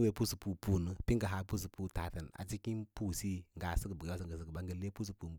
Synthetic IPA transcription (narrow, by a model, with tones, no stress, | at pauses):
we˨pu˦su˨pu˨pu˦˨nə˨pi˦ŋɡə˨ɦa˨˦pu˦s̬u˨pu˦ta˨tə˨n˨a̰˨t͡si˦ki˦pu˦si˦ŋɡa˨sə˦ɡə˨bə˨ɡa˦s̬ə˨ŋɡə˨sə˨ɡə˨ba˨˦ŋɡə˨le˦pu˦s̬u˨pu˨m